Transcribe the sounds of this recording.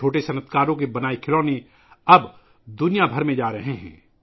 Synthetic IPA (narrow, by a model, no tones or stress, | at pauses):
oːʈesɐnət̪ʰkaːɾõk̬ebɐnaːikʰɪloːne | ɐb | d̪ʊnijabʱɐɾmẽd͡ʒaːɾɐɦẽɦɛ̰̃ː